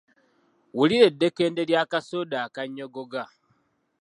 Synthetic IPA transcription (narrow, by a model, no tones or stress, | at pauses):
wuliɾe̞dːe̞ke̞ːnde̞ljaːkasodaːkaɲːo̞ɡoɡa